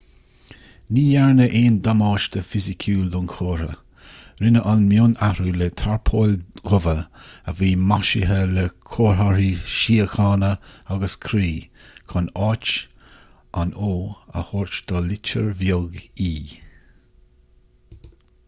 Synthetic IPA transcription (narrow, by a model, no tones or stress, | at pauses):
niːjɛɹnəʔeːnd̪amɑːʃd̪əfɪzɪkʰuːld̪ʊnkʰoːɾə̰ | ɾɪnəʔanmjoːnaɾulət̪ʰaɹpʰoːlɡʊvəəviːmaʃɪɦələkʰoːɹaɾiʃiːəxɑːnəaɡəskʰɾiːkʰɔnɑːt͡ʃ | ʔanoːə̰hoːɹt͡ʃd̪̥ɔlɪt͡ʃəɹvjoɡiː